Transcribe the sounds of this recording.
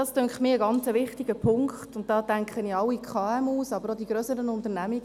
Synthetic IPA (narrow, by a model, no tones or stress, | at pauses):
ɑːstøŋkχmiːəɡɑnt͡səʋɪχtɪɡəpʰʊŋkχttʊnt̚dɑːtæŋkχənɪɑwːikʰχɑɛmuːsɑbəɾodiɡɾøsəɾənʊntəɾnæmiɡ